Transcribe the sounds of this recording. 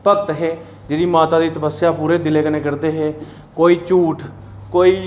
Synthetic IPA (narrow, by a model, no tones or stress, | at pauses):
pəkt̪ɦeː | d͡ʒeɾiːmaːt̪aːd̪iːt̪əpəsːɪjaːpuːɾeːd̪ɪleːkəneːkəɾd̪eːɦeː | koːiːt͡ʃuːʈ | koːiː